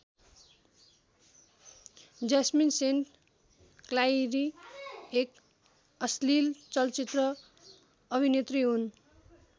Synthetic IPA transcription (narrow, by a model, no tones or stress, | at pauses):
d͡zasminsenʈ | klajɾiek | ʌslilt͡sʌlt͡sit̪rʌ | ʌbʱinet̪riɦun